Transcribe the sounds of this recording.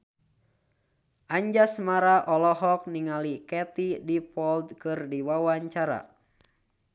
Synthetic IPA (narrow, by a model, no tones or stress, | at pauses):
ʔaɲd͡ʒasmaɾaʔɔlɔɦɔk̚niŋalikɛt̪idipɔld̪kɨrdiwawaɲt͡ʃaɾa̰